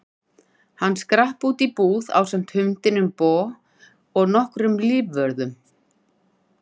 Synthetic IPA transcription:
hanːskɾahpuːt̪ipuːða̰wsɛm̥t̪hʏmt̪ɪnʏmpɔː | ɔɣnɔhkɾʏmliːvvœɾðʏm

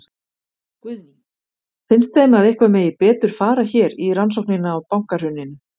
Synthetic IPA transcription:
kvʏðni | fɪnst̪ejmaðehkvamɛːjɪpɛːt̪ʏɾ̥faːɾaçɛːɾiransowhknɪnaːwpawŋkar̥ʏnːɪnɪ

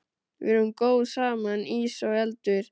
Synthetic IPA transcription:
vɪ̰ɾʏmkoːwsaːmaniːsɔɛlt̪ʏɾ̥

